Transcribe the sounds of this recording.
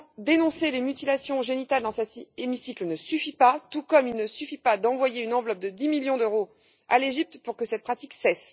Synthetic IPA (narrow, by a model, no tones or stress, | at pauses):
d̪enɔ̃selemyt̪ilasjɔ̃ʒenit̪ald̪ɑ̃sɛt̪emisiklənəsyfipat̪ukɔmilnəsyfipad̪ɑ̃vwajeynɑ̃vlɔp̚d̪əd̪imiljɔ̃d̪øʁo | a̰leʒip̚t̪puʁkəsɛt̪̚pχat̪iksɛs